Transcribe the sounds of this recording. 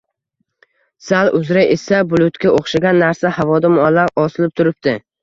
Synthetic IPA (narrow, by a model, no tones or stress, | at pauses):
salˠʊzɾaesabʊlˠʊt̪kʲaʔoχʃaɡʲanːaɾsahavɒd̪ɪmɒlaɾɒsɪlɪp̚t̪ʰʊɾɪp̚t̪ɪ